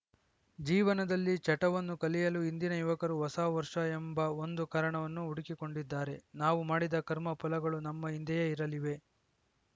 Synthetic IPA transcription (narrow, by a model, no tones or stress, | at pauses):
d͡ʒiːʋɐnɐd̪ɐlːit͡ʃɐʈɐʋɐnːukɐlijɐluind̪inɐjuʋɐkɐɾuɦɔsaːʋɐɾʂɐembɐo̞nd̪ukaːɾɐɳɐʋɐnːuuɽikiko̞ɳɖid̪ːaːɾe̞naːʋumaːɽid̪ɐkɐɾmɐpulɐɡɐɭunɐmːɐind̪ɛjɐiɾɐliʋe̞